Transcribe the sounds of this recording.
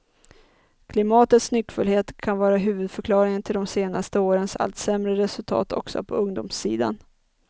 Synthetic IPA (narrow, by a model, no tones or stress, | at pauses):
kʰlɪmɑːt̪ət̪snʏkːfɵlheːt̪kʰanvɑːɾaɦʉ̟ːvɵd̪fœɾkʰlɑːɾɪŋənt̪ʰɪld̪ɔmseːnast̪əoːɾənsa̰lt̪sɛmɾəɾɛsɵlt̪ʰɑ̰ːt̪ʰɔ̰ksɔ̰pʰɔɵŋd̪ṵːmsḭːd̪a̰n